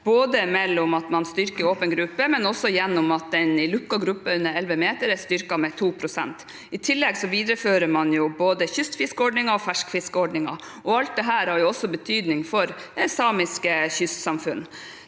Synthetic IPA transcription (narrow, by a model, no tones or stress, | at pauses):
b̥oːd̪əmɛlːɔmɑt̪mɑnst̪ʏɾkəɾoːpənɡɾʉpːəmɛnɔsːɔjɛnːɔmɑt̪̚d̪ɛnɪlʉkːɑɡɾʉpːəʉnːəɾɛlʋəmeːt̪əɾɛst̪ʏɾkɑmɛt̪ʰuːpʰɾʊsɛ̰nt̪ | ɪt̪ʰɪlːɛɡsɔʋiːd̪ɾəføːɾəɾmɑnjʊboːd̪əçʏst̪fɪskəɔɖɳɪŋɑɔfæʂkfɪskəɔɖɳɪŋɑ | ʔɔɑlt̪̚d̪ɛɦæːɾhɑɾjʊɔsːɔbət̪ʰyːd̪nɪŋfɔɾɛsɑːmɪskəçʏst̪sɑmfʉnː